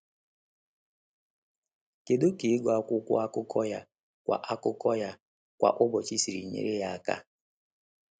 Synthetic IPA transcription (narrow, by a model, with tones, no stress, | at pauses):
ke˨do˦ke˨˦ɡa˦kʷʊ˦kʷʊ̰˦a˦kʊ˦kʰɔ˦ja˦ | kʷa̰˨ʔa˦kʊ˦kɔ˦ja˦ | kʷa̰˨ʔʊ˦bɔ˨t͡ʃi˦si˨ɾḭ˨ɲḛ˦ɾe˦ja˦a˦˨ka̰˦